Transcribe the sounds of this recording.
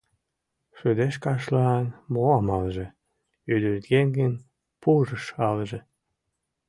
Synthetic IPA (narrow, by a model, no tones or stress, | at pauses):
ʃød̪eʃkɑʃlɑːnmoɑmɑlʒĕ | yd̪ylt̪ɡeŋɡən | puʒəʃɑlʒe